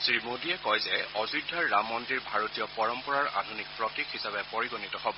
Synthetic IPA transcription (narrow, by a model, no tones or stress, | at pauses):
sɹimodiɛkɔjzɛɔzudʱːaɹːamːɔntiɹbʱaɹotijɔpɔɹɔmpɔɹaɹa̰dʱunik̚pɹɔtikɦisabɛpoɹiɡonitɔɦɔbɔ